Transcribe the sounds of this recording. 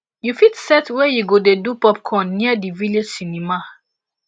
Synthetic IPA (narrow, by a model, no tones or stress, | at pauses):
jufitsɛtwɛjuɡodedupɔp̚kʰɔ̃nːiədivilesinima